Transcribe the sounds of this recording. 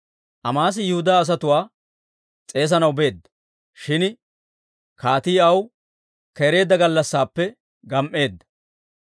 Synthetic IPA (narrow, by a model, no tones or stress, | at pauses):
ʔɐmaːs̬ɪjʊhʊd̪aːɐs̬ɐt̪ʊwaː | t͡sʼe̞ːs̬ɐnɐwbe̞ːd̪ːɐ̥ | ʃɪn | kaːt̪iːɐw | kɛɾe̞ːd̪ːɐɡɐlːɐsːaːpːɛ | ɡɐmʔe̞ːd̪ːɐ̥